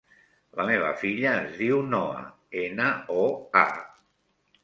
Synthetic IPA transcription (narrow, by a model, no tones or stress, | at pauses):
ləmeβ̞ə̰fiʎəːzðiwnɔə̰ | enəoa̰